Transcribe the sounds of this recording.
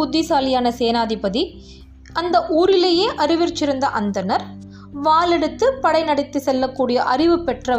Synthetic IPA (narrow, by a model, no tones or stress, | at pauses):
ʊðːɪsaːlɪjaːnɐseːnaːðɪpɐði | ɐnd̪ɐʔuːɾɪleːjeːʔɐɾɪʋɪɾt͡ʃːɪɾɯnd̪ɐʔɐnd̪ɐnɐɾ | ʋaːlɛɽɯt̪ːɯpɐɽɐɪnɐɽɪt̪ːɯsɛlːɐkːuːɽɪjɐʔɐrɪʋɯpɛʈrɐ